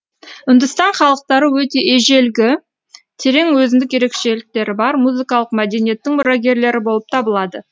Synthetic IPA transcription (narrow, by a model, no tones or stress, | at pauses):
ʏnd̪ɪst̪ɑɴχɑlˠəq̚t̪ɑɾəwɵt̪e̞ʔeʒe̞lɡʲɪ | t̪ʰe̞ɾe̞ŋwɵzɪnd̪ɪkje̞ɾekʃe̞lɪk̚t̪e̞ɾɪbɑɾmuzɨkɑlˠəqmæd̪e̞nije̞t̪ːɪŋmʊɾɑɡʲe̞ɾle̞ɾɪbo̞lˠəp̚t̪ʰɑbəlˠɑd̪ə